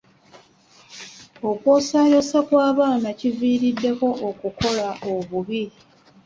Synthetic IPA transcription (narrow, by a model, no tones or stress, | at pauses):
o̞kwo̞ːsaːjosakwaːβaːnaciviːɾidːe̞ko̞ʔokuko̞laʔoβuβi